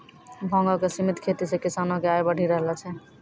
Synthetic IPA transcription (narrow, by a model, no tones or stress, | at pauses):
bʱɔ̃ŋɡɔkesimit̪kʰet̪isekisanokeajbəɽ̤ʱiɾəɦlɛt͡ʃʰɛ